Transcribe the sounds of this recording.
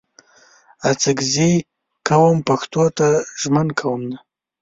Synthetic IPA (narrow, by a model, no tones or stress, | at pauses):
at͡sɪɡzi | kawəmpaxt̪ot̪aʒmankʰawəmna